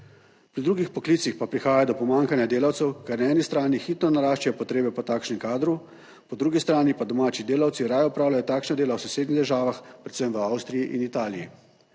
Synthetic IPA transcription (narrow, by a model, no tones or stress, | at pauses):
pɾid̪ɾuːɡixpɔkliːt̪sixpapɾixaːjad̪ɔpɔmaːŋkanjad̪eːlawt̪sɛwkaɾnaɛːnist̪ɾaːnixiːt̪nɔnaɾaːʃt͡ʃajɔpɔt̪ɾeːbɛpɔt̪aːkʃnɛmkaːd̪ɾu | pɔd̪ɾuːɡist̪ɾaːnipad̪ɔmaːt͡ʃid̪eːlawt̪siɾajɔupɾaːwlajɔt̪aːkʃnad̪eːlawsɛseːd̪niɣd̪əɾʒaːʋaxpɾɛt̪səmʋəawst̪ɾijiʔinit̪aːlijḭ